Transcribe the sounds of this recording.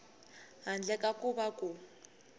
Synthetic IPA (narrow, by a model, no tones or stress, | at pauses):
ɦand͡ɮɛkʼakʼuβakʼu